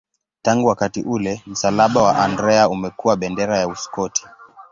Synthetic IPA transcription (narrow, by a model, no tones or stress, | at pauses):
taŋɡuwakatiʔulɛm̩salaɓawaʔandɾɛaumɛkuwaɓɛndɛɾajauskɔtʰi̥